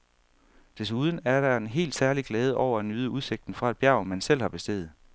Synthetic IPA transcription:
d̥e̝s̬uð̞ˠən̩æɐɾ̥æe̝nɦe̝̰ːld̥sæɐliɡ̥lɛːð̞ˠəʔɒʊ̰ɐænyːð̞ˠəuðˠse̝ɡ̥̚d̥n̩fʁɑ̈e̥b̥jæ̈ʊmænsel̰hɑ̈b̥e̝sd̥e̝̰ːð̩ˠ

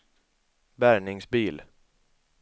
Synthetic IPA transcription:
bæɾɳɪŋsbiːl

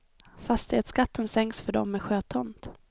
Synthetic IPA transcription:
fast̪ɪɛt̪skat̪ʰːənsɛŋksfœɖɔ̰mːɛɧøːt̪ʰɔnt̪

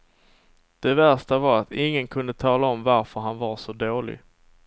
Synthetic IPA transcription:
d̪̥ɛvæʂʈavaɾat̪ɪŋːənkʰɵnd̪ət̪ʰɑːlaɔmvaɾfœɾɦanvaɾʂɔd̪oːlɪ̰ɡ

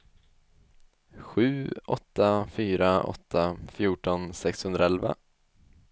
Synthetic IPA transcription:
ɧʉ̟ːʔɔt̪ʰːafyːɾaʔɔ̰t̪ʰːafjuːʈɔnsɛkshɵnɾaɛlva̰

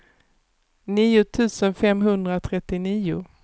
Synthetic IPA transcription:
niːʊt̪ʰʉ̟ːsənfɛmɦɵnd̪ɾat̪ʰɾɛt̪ːɪniːʊ

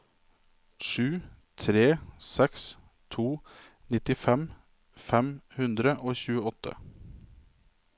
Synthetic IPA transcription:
ʂʉː | t̪ʰɾeːsɛks | t̪ʰuː | nɪt̪ɪfɛm | fɛmhʉnd̪ɾəʔoːçʉːəɔt̪ʰə̰

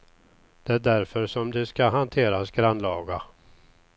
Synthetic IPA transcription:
d̪̥ɛæɖæɾfœɾʂɔmd̪ɵskaɦant̪ʰeːɾasɡɾanlɑːɡa

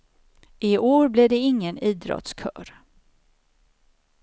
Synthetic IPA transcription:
ʔɪʔoːɾblɪd̪ɛɪŋːəniːd̪ɾɔ̰t̪skʰœːɾ

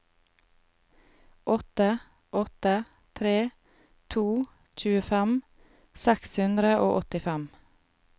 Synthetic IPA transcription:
ʔɔt̪ə | ʔɔt̪ə | t̪ʰɾeː | t̪ʰuː | c͡çʉːəfæm | sɛkshʉnd̪ɾəʔoːʔɔt̪ɪfæm

